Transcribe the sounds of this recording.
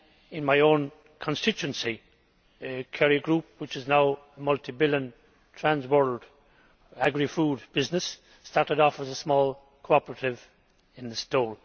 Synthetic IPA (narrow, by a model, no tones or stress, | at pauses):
ɪ̃nmaɪõʊ̃n | kʰə̃nstɪt͡ʃʉə̃nsi | kʰɛɹiɡɹup̚wɪt͡ʃɪznaʊəmʌltʰivɪljə̃n | tʰɹ̥æ̃nzwɔɹld | æɡɹifuːd̚b̥ɪznəsː | tɑɹtɨɾɔfəzəsmɔːlˠ | kʰoɑpəɹəɾɪv | ɪ̃nðəstɔːɹ